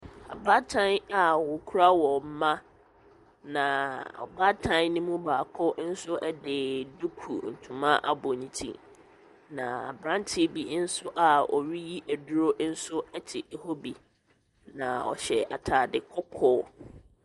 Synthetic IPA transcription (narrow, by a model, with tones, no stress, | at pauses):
a̰˨ba˦tʰã˦na˨wʊ˨kʰu˦ɾa˦wɔ˨m̩˦mã˦ | nã˨ɔ̰˨ba˦tʰã˦n˦nĩ˦mũ˦baː˨kʰɔ˦n̩˦sʊ˦ʔɛ˦dɪ˨du˦kʰṵ˨n̩˨tʰũ˨mã˦ʔa̰˨bɔ˨nĩ˨tʰḭ̃˦ | nã˨a̰˨bɾã˦n˦tʰɪ˦bi˨˦n̩˦sʊ˦ʔa˨ɔ̰˨ɥi˦ji˦ʔæ˨dʊ˦ɾo˦n̩˦sʊ˦ɛ˦tʰɪ˨e˨ho˦bi˨ | nã˨ɔ̰˨ɕɛ˨a˨tʰaː˨dɪ˨kʰɔ˦kʰɔː˦